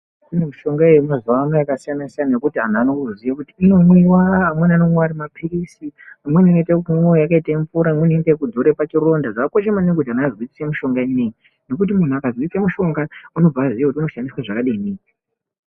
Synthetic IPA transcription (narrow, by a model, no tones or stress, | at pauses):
tinemuʃo̞ŋɡaejimazuʋameakasijanasijanajekutiɦan̤anokuzijakutiːno̞mwiwaːmwenanomweaɾimapʰirisiamwenino̞itakummwejjakaitaeɱfuɾaːmweniitakudʱoɾe̞pat͡ʃiro̞ndaʐaakoʃemanekutianakːazoit͡si̥semuʃo̞ŋɡaineŋi | no̞kut̬imun̤uakazoit͡semuʃo̞ŋɡauno̞b͡vaazijekutiuno̞ʃandiswaʐakaɗiineːŋi